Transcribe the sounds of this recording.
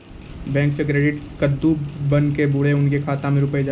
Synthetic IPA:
bɛ̃ːŋksek̬ɾeːɖɪʈkəd̪ːubɐnkebʊɽeʊnkekʰaːt̪ãmẽɾʊpəid͡ʒa

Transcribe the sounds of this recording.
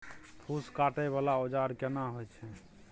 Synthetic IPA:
t̪ʰuskaʈɛβalaod͡ʒaɾkenaɦojt͡ʃʰɛ

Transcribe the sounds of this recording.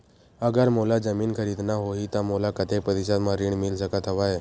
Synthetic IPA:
əɡəɾmolad͡zəmiːnkʰəɾid̪naɦoɦit̪amolakət̪ʰepəd̪iɕ̬at̪maɾiːɳmilsəkat̪ʰəʋaɦe

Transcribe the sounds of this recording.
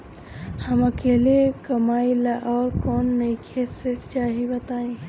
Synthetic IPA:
hɐmɐkeːlekəmaːilaʔɔːɾkɔːnːɐikʰet̪ɾeɾt͡ʃaːɦibət̪aːẽ

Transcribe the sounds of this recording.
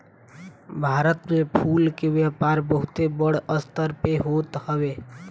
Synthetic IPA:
bʱaːɾət̪mẽpʰuːlkeʋjɛːpaːɾbəɦʊt̪ebəɽəst̪əɾpeɦoːt̪həʋeː

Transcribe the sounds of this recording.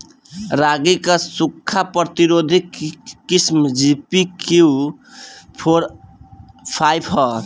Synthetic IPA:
ɾaɡikʌsukʰːapɾʌt̪iɾod̪ʱikːismd͡ʒipikiu | pʰoɾ | pʰajbʰɦʌ

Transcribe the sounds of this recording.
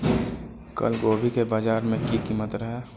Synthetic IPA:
kə̰lɡoːbʱikebaːd͡ʒaːɾmẽkikimət̪ɾəɦeː

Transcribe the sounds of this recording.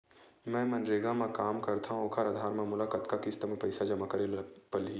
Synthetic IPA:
mɛ̃ːmɐ̃nɾeːɡãmẽkaːmkɐɾt̪ʰaɦũokʰaɾəd̪ʱaːɾmãmʊlaːkət̪kakɪst̪əmẽpɐɪsad͡ʒɐmakɐɾelpəli

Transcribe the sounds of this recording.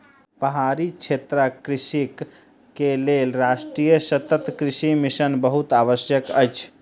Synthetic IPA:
pəɦaɾit͡ʃʰet̪ɾakɾisik | kelelɾasʈɾijəsət̪ət̪kɾisimisənbəɦut̪aʋəsjəkəjt͡ʃʰ

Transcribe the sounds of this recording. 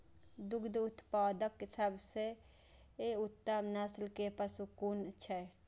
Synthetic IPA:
d̪uɡd̪ut̪paːd̪əkːesəbse | eut̪ːəmnaslkepəsukunt͡ʃʰɛ

